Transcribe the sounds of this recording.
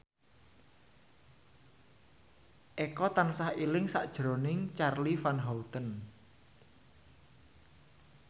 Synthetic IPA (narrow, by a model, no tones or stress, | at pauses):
ʔekɔt̪ansahilɪŋsaʔd̥ʒ̥ɾo̤nɪŋt͡ʃarlifanɦɔut̪ən